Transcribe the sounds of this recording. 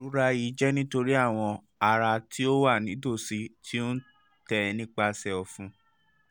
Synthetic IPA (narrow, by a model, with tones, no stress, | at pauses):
ɾu˨˦ɾa˦ji˨˦d͡ʒɛ˦nĩ˦to˧ɾi˦a˦˨w̃ɔ̃˧ | a˧ɾa˧tʰi˦o˦wa˦˨nĩ˨˦do˦˨si˧tʰi˦o˦n̩˦ | tɛ˧nĩ˦k͡pa˧sɛ˧ɔ˧fũ˧˦